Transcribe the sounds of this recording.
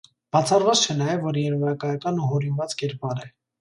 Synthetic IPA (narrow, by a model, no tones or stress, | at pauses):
b̥ɑt͡sʰɑrvɑt͡st͡ʃʰɛnɑjɛvːɔɾjɛɾvɑjɑkɑjɑkɑnuɦɔɾinvɑt͡skɛɾpɑɾɛ